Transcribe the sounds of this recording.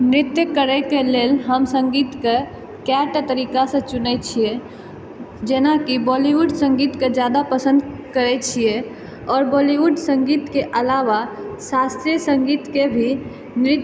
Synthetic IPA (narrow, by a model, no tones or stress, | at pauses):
nɾɪt̪jəkəɾɛkeleːlɦəmsə̃ŋɡiːt̪ke | kɛʈt̪əɾiːkasẽt͡ʃʊnɛt͡ʃʰie | d͡ʒenakibɔːliwuɖsə̃ŋɡiːt̪ked͡ʒjad̪apəsə̃nd̪kəɾɛt͡ʃʰie | ɔːɾbɔːliwuɖsə̃ŋɡiːt̪keʔəlaʋasast̪ɾijəsə̃ŋɡiːt̪kebʱi | nɾɪt̪